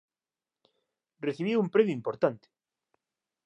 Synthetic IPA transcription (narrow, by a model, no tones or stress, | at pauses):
reθiβiumpɾemjoimpoɾt̪ant̪e̥